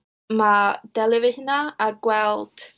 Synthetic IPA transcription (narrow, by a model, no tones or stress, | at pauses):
mad̥ɛlɪvɪhnaaɡwɛlˠd̥